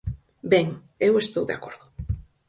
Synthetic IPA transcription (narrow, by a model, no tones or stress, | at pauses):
bɛŋ | ewest̪owðḛakoɾðʊ